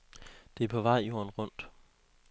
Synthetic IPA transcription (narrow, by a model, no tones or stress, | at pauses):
d̥e̝æɐpʰɒ̽ʋɑ̈ɪ̰jo̝ɐ̰nʁɔ̽n̰d̥